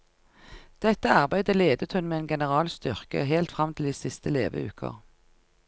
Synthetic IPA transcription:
d̪̥ɛt̪əɑʁbæɪd̪əleːd̪ət̪hʉnmeːeːnɡɛnəʁɑːlst̪ʏʁkə̰ɦeːlt̪fʁɑmt̪ʰɪld̪iːsɪst̪əlḛːʋə̰ʉ̰ːkʰə̰ʁ

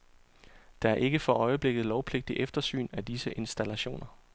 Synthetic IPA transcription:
d̥ɑ̈æɐʔe̝ɡ̥əfɒ̽ʔɒ̽ɪəb̥le̝ɡ̥ð̞̩ˠlɒʊpʰle̝ɡ̥̚d̥iʔefd̥ɐsy̰ːnæd̥isəʔe̝nsd̥ælæɕo̝̰ːnɐ

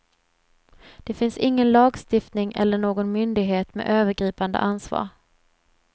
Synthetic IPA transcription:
d̪̥ɛfɪnsɪŋːənlɑːɡst̪ɪft̪nɪŋʔɛ̰lːəɳoːɡɔnmʏnd̪ɪɡɦeːt̪mḛːʔøːvəɾɡɾiːpand̪ə̰ʔansvɑ̰ːɾ

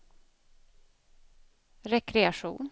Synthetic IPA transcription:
ɾɛkɾɛaʂṵːn

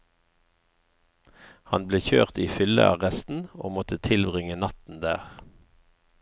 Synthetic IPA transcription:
hɑnbleːçøːʁt̪iːfʏlə̰ɑʁɛst̪n̩oːmɔt̪ət̪ʰɪlbʁɪŋənɑt̪n̩d̪æːʁ

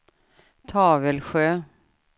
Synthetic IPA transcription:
t̪ʰɑːvəlɧøː

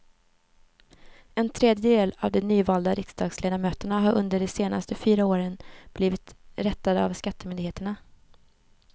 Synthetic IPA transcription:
ɛnt̪ʰɾeːd̪jəd̪eːla̰vd̪ɛnyːvɑːld̪aɾɪksd̪ɑːɡsleːd̪amøːt̪əɳaɦaɾʔɵnd̪əɖɛseːnʔa̰st̪əfyːɾaoːɾənb̥liːvɪt̪ɾɛt̪ːad̪əa̰vskat̪ːəmʏnd̪ɪɡheːt̪əɳa

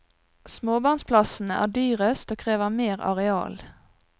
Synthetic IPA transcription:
smoːbɑnspʰlɑsn̩əʔæ̰ːɖyːʁəst̪oːkʰʁeːʋəmeːʁɑ̰ʁɛɑ̰ːl

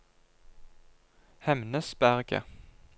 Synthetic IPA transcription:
hɛmnəsbæʁɡə̰

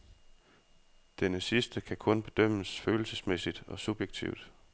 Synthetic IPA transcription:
d̥enəsisd̥əkʰækʰɔ̽nb̥e̝d̥øm̰əsføːl̩səsmesid̥ɒ̽sub̥jeɡ̥̚t͡sʰḭʊd̥

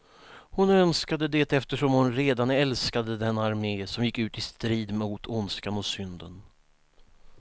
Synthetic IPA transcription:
hʊnœnskad̪əd̪ɛt̪ɛft̪əʂɔmhʊnɾeːd̪anɛlskad̪əd̪ɛnaɾmeːsɔmjɪkːʉ̟ːt̪ɪst̪ɾiːd̪muːt̪ʰʊnskanɔsʏnd̪ən

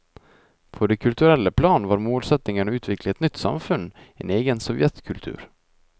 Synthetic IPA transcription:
pʰɔd̪ɛkʰɵlt̪ɵɾɛlːəpʰlɑːnvaɾmoːlsɛt̪nɪŋəɳʉ̟ːt̪ʰvɪklaɛt̪nʏt̪ːsa̰mfɵnː | ḛneːɡənsɔvjɛt̪kʰɵlt̪ʰʉ̰ːɾ

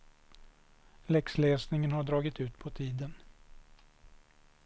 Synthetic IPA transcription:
lɛksleːsnɪŋənhaɖɾɑːɡɪt̪ʉ̟ːt̪pʰɔt̪ʰiːd̪ən

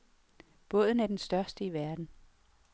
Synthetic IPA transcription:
b̥ɔ̽ðˠn̩æɐd̥ensd̥ɶɐsd̥əiʋæɐd̥n̩

